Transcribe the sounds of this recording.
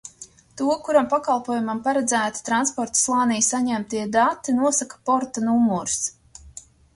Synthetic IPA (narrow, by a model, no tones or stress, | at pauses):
t̪uɔkuɾampakalˠpuɔːjumampaɾɛd̪zæːt̪i̥t̪ɾanspɔɾt̪u̥slˠɑːnijsaɲæmt̪iɛd̪at̪ːinuɔsakḁpɔɾt̪anumɔɾs